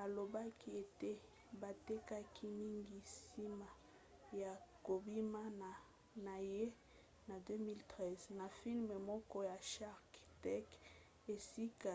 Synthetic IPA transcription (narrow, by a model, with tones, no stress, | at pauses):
a˨lo˨ba˦ki˦e˨te˦ | ba˨te˦ka˦kʰi˦mi˦ŋɡi˦si˦ma˨ | ja˨ko˨bi˦ma˦na˨ | na˨je˦ | na˨dø˦mi˦ltʁɛ˦zna˨fi˦lme˨mɔ˦kɔ˦ja˨ʃa˦ʁktɛ˦k | e˨si˦ka˨